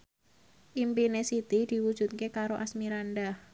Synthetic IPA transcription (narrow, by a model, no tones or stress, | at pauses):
ʔimpinesit̪id̪̥i̤wud̥ʒ̥ṳt̪̚kekaɾoʔasmiɾanɖah